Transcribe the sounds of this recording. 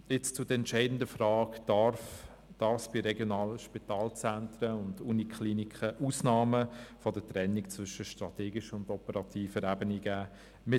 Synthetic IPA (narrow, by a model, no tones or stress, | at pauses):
ɪt͡st͡sʊdəɛntt͡ʃɛɪdn̩dəfɾɑːkd̥ɑɾf | d̥ɑːɾfsb̥iɾɛɡjonɑːləʃpitɑːlt͡sæntɾəʊndunikʰχliːnikχəʔuːsnɑːməfɔdətɾɛnːikt͡svʏʃəʃtɾɑt̪eːɡiʃəʊndɔpəɾɑtʰiːfəɾæbəniɡ̥æː | mɪ